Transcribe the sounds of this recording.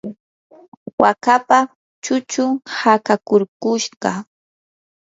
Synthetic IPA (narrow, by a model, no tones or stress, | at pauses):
wakapa | t͡ʃʊt͡ʃʊŋhakakʊɾkʊʃɢɑ